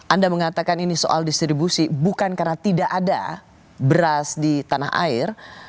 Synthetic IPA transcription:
ʔandaməŋat̪akaniniso̰ʔa̰ldist̪ɾibusibukankarnat̪idaʔada̰ | bəɾasdit̪anaɦa̰ɪr

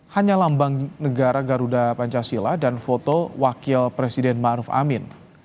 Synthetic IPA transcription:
haɲalambaŋnəɡaɾaɡaɾudapaɲt͡ʃasiladanfot̪owakɪlpɾesidɛnmaʔɾufa̰mɪn

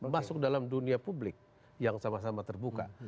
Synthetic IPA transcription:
masʊk̚dalamduniapublɪk̚ | jaŋsamas̬amat̪ərbuka̰

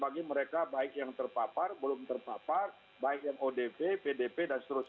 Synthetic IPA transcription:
baɡiməɾekabaɪk̚jaŋt̪ərpaparbəlʊmt̪ərpapar | baɪk̚jaŋodepepedepedanst̪əɾʊs

